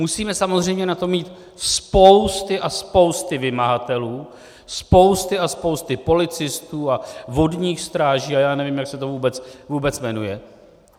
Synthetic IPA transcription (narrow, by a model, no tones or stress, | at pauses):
musiːmɛsamo̞zr̝ɛjmɲɛnat̪o̞mːiːt̪ | spo̞wst̪ɪʔaspo̞wst̪ɪvɪmaɦat̪ɛluː | spo̞wst̪ɪaspo̞wst̪ɪpo̞lɪt͡sɪst̪uːavo̞dɲiːxst̪ɾaːʒiːajaːnɛvimjaksɛt̪o̞vuːbɛt͡svuːbɛt͡smɛnujɛ